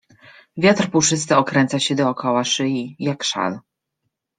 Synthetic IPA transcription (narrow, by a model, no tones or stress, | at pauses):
vʲjat̪rpuʂɘs̬t̪ɛɔkɾɛnt̪saɕɛd̪ɔːkɔwaʂɘjijakʂa̰l